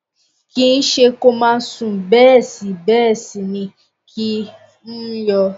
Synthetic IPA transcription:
ki˦n̩˦ʃe˧ko˦mãː˦˧˦sũ˨bɛː˦˨si˨bɛː˦˨si˨nĩ˧ | kʰi˦ | n̩˦jɔ˧

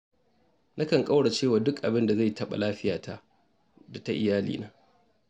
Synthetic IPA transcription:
na˦kɐ˨ŋkʼa˦wɽa˨t͡ʃeː˦˨waː˨dʊ˦kʔa˨bɪ˦nda˨za˦˨jtɐ˦ɓa̰˨laː˦ɸɪ˦jaː˨tʰa˦ | da˨ta˦ʔɪ˨jaː˦lḭː˨naː˦

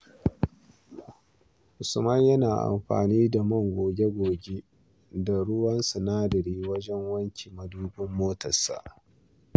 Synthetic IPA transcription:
ʔʊ˨sʊ˨mɐ˦ɲjɐ˦naː˨ʔa̰˨mɸa̰ː˨niː˦da˨mɐ˦˨ŋɡʷoː˨ɡʲe˦ɡʷoː˨ɡʲe˦ | da˨ɽʊ˦wɐ˦nsu˨naː˦dɐ˨ɾiː˦wɐ˦d͡ʒɛ˦ŋwɐ˦ŋkʲʰi˨mɐ˨duː˦bɪ˦mːoː˦tɐ˨sa̰˨ʔ

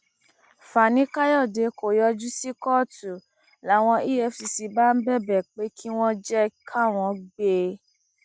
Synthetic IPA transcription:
fa˨nĩ˦ka˦jɔ˦˨de˨ko˨jɔ˧d͡ʒu˦si˦kɔ˦˨tu˨ | la˨˦w̃ɔ̃˧i˦je˧˦fi˧si˧ba˦m̩˦bɛ˦bɛ˨k͡pe˨˦kʰi˦w̃ɔ̃˦d͡ʒɛ˦kʰa˦˨w̃ɔ̃˧ɡ͡be˧

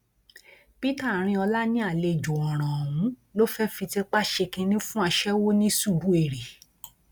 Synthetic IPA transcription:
pi˦ta˦˨ɾ̃ĩ˧ɔ˧la˦nĩ˦a˦˨le˧d͡ʒo˨ɔ̃˨ɾ̃ã˨ɦũ˨˦lo˦fɛ˦fi˧ti˧k͡pa˦˨ʃe˧kĩ˧nĩ˦fũ˦a˧ʃɛ˦wo˦nĩ˦su˦˨bu˦e˦˨ɾe˨

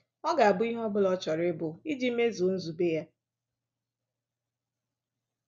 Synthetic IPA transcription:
ɔ˦ɡa˨a˨bʊ˦i˦ɦɔ˦bʊ˦lɔ˦t͡ʃɔ˨ɾɪ˦bʊ˨i˦d͡ʒi˦me˦zo˨˦n̩˦zu˨be˦ja˦

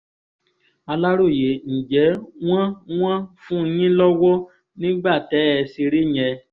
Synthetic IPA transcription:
a˧la˦ɾo˦˨je˨˦ñ̩˨d͡ʒɛ˨˦w̃ã˦w̃ã˦fũ˦˧jĩ˦lɔ˦wɔ˦ | nĩ˦ɡ͡ba˦˨tɛ˨˦ɛ˧se˧ɾe˦ɲ̃ɛ˧

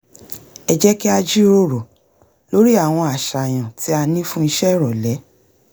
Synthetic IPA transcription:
ɛ˧d͡ʒɛ˦ki˦a˧d͡ʒi˦ɾo˦˨ɾo˨ | lo˦ɾi˦a˦˨w̃ɔ̃˧a˨ʃa˨j̃ã˨ti˨˦a˧nĩ˦fũ˦i˧ʃɛ˦˨ɾɔ˨lɛ˨˦

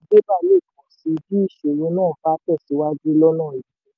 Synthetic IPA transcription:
i˦d͡ʒe˦ba˦˨le˦˨kɔ̃˨si˧˦˧d͡ʒi˦i˦˨ʃo˨wẽ˨˦nãː˦˨˦fa˦tɛ˦˨si˨˦wa˦d͡ʒi˦lɔ˦nã˦˨i˨ĩ˨˦

